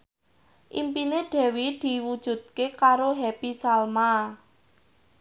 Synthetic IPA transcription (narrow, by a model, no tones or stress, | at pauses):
ʔimpineɖ̪̥ɛ̤wid̪̥i̤wud̥ʒ̥ṳt̪̚kekaɾoɦɛpisalma